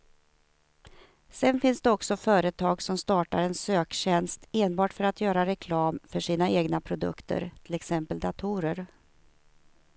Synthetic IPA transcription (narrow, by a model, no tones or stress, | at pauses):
sɛnfɪnsd̪ɛɔksɔfœːɾət̪ʰɑːɡsɔmst̪ɑːʈaɾɛnsøːkɕɛnst̪eːnbɑːʈfœɾat̪ʰjœːɾaɾɛkʰlɑːmfœʂiːnaeːɡnapʰɾʊd̪ɵ̰kt̪ʰə̰ɾt̪ʰɪlɛksɛmpəld̪at̪ʰuɾəɾ